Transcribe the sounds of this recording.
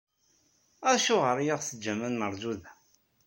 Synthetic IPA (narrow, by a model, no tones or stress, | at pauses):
æʃʊʁəɾjaʁsəd͡ʒːæmænnəɾˤzuðæ